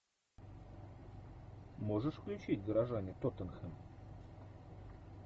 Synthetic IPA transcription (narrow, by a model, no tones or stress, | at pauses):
mo̞ʐɨʂfklʲʉt͡ɕitʲɡəɾɐʐanʲɪt̪ot̪ənxəm